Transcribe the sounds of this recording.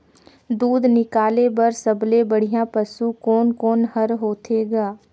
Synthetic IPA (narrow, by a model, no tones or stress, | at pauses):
d̪uːd̪nɪkaːlebɐɾsəblebəɽ̤ijãpəsukɔːnkɔːnɦəɾɦoːt̪ʰeːɡaː